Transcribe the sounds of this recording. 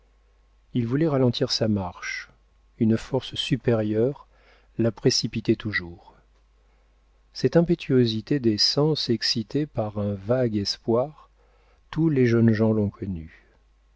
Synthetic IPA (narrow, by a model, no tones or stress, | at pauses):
ilvulɛʁalɑ̃t̪ʰiʁsamaʁʃ | ynfɔʁssypeʁjœʁ | lapχesipit̪ɛt̪uʒuːʁ | sɛt̪ɛ̃pet̪ʰyozit̪ed̪esɑ̃sɛksit̪epaʁɛ̃vaɡɛspwaʁ | t̪uleʒœnʒɑ̃lɔ̃kʰɔny